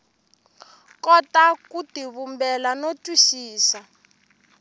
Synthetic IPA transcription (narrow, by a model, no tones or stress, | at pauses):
kɔtakutiβumbɛlanotʼwiʃiːsa